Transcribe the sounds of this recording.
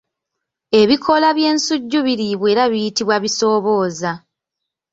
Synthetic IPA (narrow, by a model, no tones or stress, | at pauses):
e̞βikʰo̞laβje̞ːnsuɟːuβiɾiβweːɾaβijitiβwaβiso̞ːβo̞ːza